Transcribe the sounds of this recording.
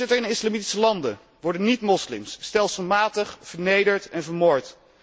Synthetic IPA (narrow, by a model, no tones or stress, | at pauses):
ɪtəɹɪnɪslɑmiti̥səlɑndə̰ | ʋɔɹdənitmɔslɪ̰msːtɛlˠsəlˠmaːtəχv̥əɹnejdəɹtɛnvəɹmoːɹt